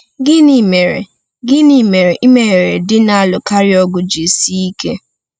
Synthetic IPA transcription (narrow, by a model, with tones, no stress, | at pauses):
ɡɪ˦ni˨me˨ɾḛ˨ | ɡɪ˦ni˨me˨ɾe˨ʔi˦me˨ɾe˨dɪ˦na˦˨lʊ˨ka˦ɾɪ˦ɔ˦ɡʊ˦d͡ʒi˨si˦i˦kḛ˦